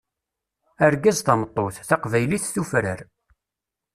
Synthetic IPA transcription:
æɾɡazθɑmət̪ˤːoθθɑqvæjliθθufɾə̰ɾ

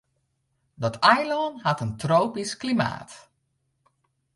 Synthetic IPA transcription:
dɔtʰajlɔnhatəntroːpisklima̰ːt

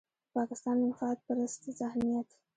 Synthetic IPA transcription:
pɑkɪst̪ɑnd̪ənxɑt̪̚pəɾəst̪əzahmijat̪

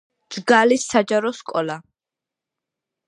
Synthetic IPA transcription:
d̥d͡ʒɡalisːad͡ʒaɾɔskʼɔla

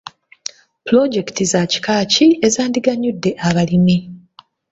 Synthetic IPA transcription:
puloɟe̞ktizaci̥kaːciezaːndiɡaɲːudːe̞ʔaβalimi

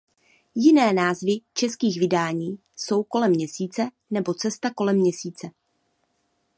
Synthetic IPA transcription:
jɪnɛːnaːzvɪt͡ʃɛskiːɣvɪdaːɲiː | so̞wko̞lɛmːɲɛsiːt͡sɛ | nɛbo̞t͡sɛst̪ako̞lɛmːɲɛsiːt͡sɛ

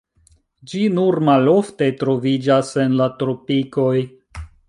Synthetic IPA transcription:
d͡ʒinuɾmalo̞fte̞tɾo̞vid͡ʒase̞nlatɾo̞piko̞j

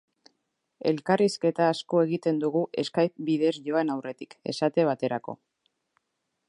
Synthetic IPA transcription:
e̞lkariske̞t̪aːsko̞e̞ɣit̪e̞nd̪uɣuʔe̞skajbiðe̞sʝo̞aenawre̞t̪i̥ke̞sat̪e̞β̞at̪e̞ɾako̞̰

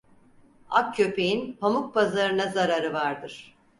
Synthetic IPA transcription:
ak̚cʰøpejinpʰamuk̚pʰazaɾɯnazaɾaɾɯvaɾd̪ɯɾ̥

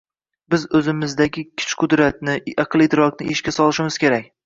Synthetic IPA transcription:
bɪzɵzɪmɪzd̪aɡʲɪkʲʰɪ̥t͡ʃqʰʊd̪ɾat̪̚nɪɑqɨlˠet̪ʰɪɾɒknɪeʃkʲasɒlˠɪʃɪmɪzkʲʰe̞ɾak̚ʲ

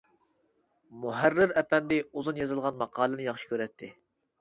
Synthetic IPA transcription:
muɦæɾːɪɾɛpɛnd̪ɪuzunjezɨlˠʁɑnmɑqʰɑːlˠɨnɨjɑχʃi̥kʲøɾɛt̪ʰːɪ

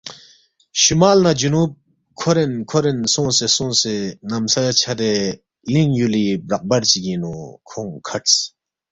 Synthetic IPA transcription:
ɕumalnad͡ʑunup̚ | kʰoɾenkʰoɾensoŋsesoŋsenamsat͡ɕʰad̪e | liŋjulibraʔ̚bart͡ɕiɡinokʰoŋkʰat͡s

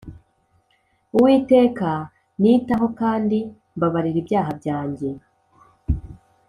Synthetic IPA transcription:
uwiːte̞ːka | niːtaɦo̞kaːndi | mbaβaɾiɾibjaːɦabjaːɲɟe̞

